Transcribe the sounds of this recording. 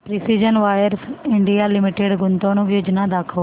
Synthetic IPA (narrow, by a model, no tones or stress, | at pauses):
pɾiːsiːd͡ʒənʋaːjəɾsɪɳɖijaːlɪmɪʈeɖɡʊnt̪õːnũːjoːd͡ʒnaːd̪aːkʰoː